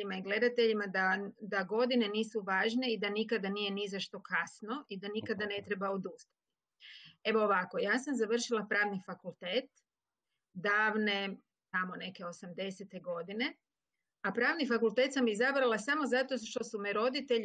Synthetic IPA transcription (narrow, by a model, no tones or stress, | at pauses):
imaiɡle̞d̪at̪e̞ʎimad̪ad̪aɡo̞d̪ine̞niːsuʋaːʒne̞id̪anikad̪anije̞nizaʃt̪o̞kasno̞ʔid̪anikad̪ane̞t̪ɾe̞baod̪ust̪ḁt̪i̥ | e̞ʋoːʋako̞jaːsamzaʋər̩ʃilˠapɾaːʋnifakulˠt̪eːt̪ | d̪aːʋne | t̪amo̞ne̞ke̞o̞samd̪e̞set̪e̞ɡo̞d̪ine̞ | apɾaːʋnifakulˠt̪e̞ːt̪samizabɾalasamo̞zat̪o̞ʃt̪osumeɾo̞d̪it̪eʎ